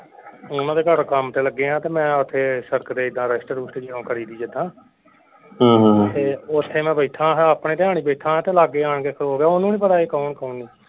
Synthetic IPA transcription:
ʊnãːd̪eːkəɾkəmt̪eːləɡːeːɦãːt̪eːmɛ̃ːʊt̪ʰːeːsəɾkd̪eːɪd̪ãːɾəsʈəɾuːsʈed͡ʒɪɽõːkʰəɾiːd̪iːd͡ʒɪd̪ãː | ɦãːɦt̪eːʊt̪ʰːeːmɛ̃ːbeːʈʰãːɦəpɳẽːt̪ɦaːɳ̃iːbeːʈʰãːɦɛ̃t̪eːlaːɡːeːaːɳkeːkʰəɾoːɡaːʊnːũːĩːpəɾaːiːkəːɳkoũːniː

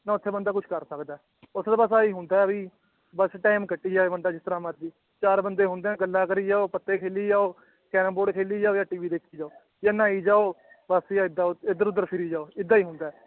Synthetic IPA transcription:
nãːʊt̪ʰːeːbənd̪aːkʊt͡ʃʰkəɾsəkd̪aːɛ | ʊsʰd̪aːbəsaːiːɦʊ̃nd̪aːɛbiː | bəsʈaːɪmkəʈːiːd͡ʒaːeːbənd̪aːd͡ʒɪst̪əɾãːmət̪d͡ʒiː | t͡ʃaːɾbənd̪eːɦʊ̃nd̪eːɛ̃ɡəlːaːkəɾiːd͡ʒaːoːpət̪ːeːkʰeːliːd͡ʒaːoː | kɛːɾəmboːɖkʰeːliːd͡ʒaːoːjaːʈiːʋiːd̪eːkʰːiːd͡ʒaːoː | jaːnãːiːd͡ʒaːoː | bəsjaːɪd̪ːaːd̪əɾʊd̪ːəɾpʰɪɾiːd͡ʒaːoːɪd̪ːaːiːɦʊ̃nd̪aːɛː

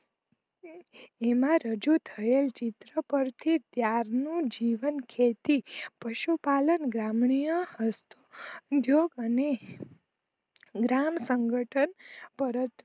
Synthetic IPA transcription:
emãɾəd͡ʒut̪ʰəelt͡ʃit̪ɾəpəɾt̪ʰit̪jaɾnũd͡ʒiʋənkʰet̪ipəʃupalənɡɾamɳijəhəst̪ʰod̪ʱjoɡəne | ɡɾamsəŋɡəʈʰənpəɾət̪

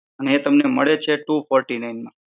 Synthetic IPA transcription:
əneet̪əmneməɭet͡ʃʰeʈufɔɾʈinajnmã

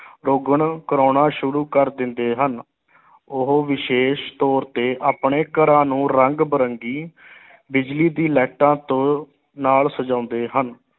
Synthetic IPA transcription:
ɾoːɡəɳkəɾoːnãːʃʊɾuːkəɾd̪ɪnd̪eːɦən | ʊɦoːʋɪʃeːʃt̪ɔːɾt̪eːʔaːpɳeːkəɾãːnũːɾəŋɡbəɾəŋɡiː | bɪd͡ʒliːd̪iːlɛːʈãːt̪õː | naːlsəd͡ʒãːʊnd̪eːɦən

